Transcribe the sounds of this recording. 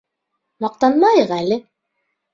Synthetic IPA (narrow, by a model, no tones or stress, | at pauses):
mɑq̚t̪ɑnmɑjɤqælɘ